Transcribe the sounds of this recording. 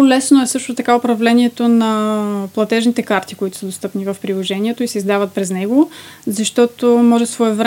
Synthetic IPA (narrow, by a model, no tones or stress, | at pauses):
lɛsnoɛsɤʃt̪ot̪ɐkaopɾɐvlɛniɛt̪onɐplˠɐt̪ɛʒnit̪ɛkaɾt̪ikoit̪ʊ̥səd̪ost̪ɤpnivəfpɾilˠoʒɛniɛt̪oisɛizd̪avət̪̚pɾɛznɛɡozɐʃt̪ɔt̪omɔʒɛsvɔɛvɾ